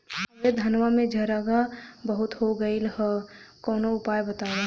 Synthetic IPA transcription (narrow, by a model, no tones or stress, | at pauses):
ed̪ʱɐnʋamẽd͡ʒʱɐɾaɡabəɦʊt̪ɦoɡəilɦəkɔːnoʊpaːjbɐt̪aːɾe